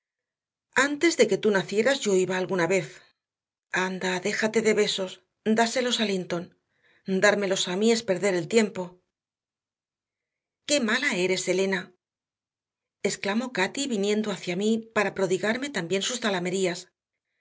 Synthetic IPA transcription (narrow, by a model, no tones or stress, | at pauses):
ant̪e̞zðe̞ke̞t̪unaθje̞ɾazʝo̞iβaːlɣunaβe̞θ | and̪aðe̞xat̪e̞ðe̞βe̞so̞s | d̪ase̞lo̞salint̪o̞n | d̪aɾme̞lo̞samie̞spe̞ɾðe̞ɾe̞lt̪je̞mpo̞ | ke̞malae̞ɾe̞se̞le̞na | e̞sklamo̞kat̪iβinjẽ̞nd̪o̞aθjamipaɾapɾo̞ðiɣaɾme̞t̪ambje̞nsust̪alame̞ɾias